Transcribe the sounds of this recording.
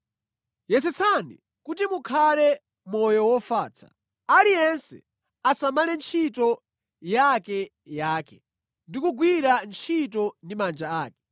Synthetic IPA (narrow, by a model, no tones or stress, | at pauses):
jɛt͡sɛt͡sʰanḭ | kut̬imukʰalɛ | mɔjɔwɔfaːt͡sʰḁ̰ | alijɛnsɛ̰ | asamalɛnt͡ʃʰitɔ | jakɛ | jaːkɛ | ndikuɡwiɾant͡ʃʰit̬ɔndimand͡ʒaaːkɛ̥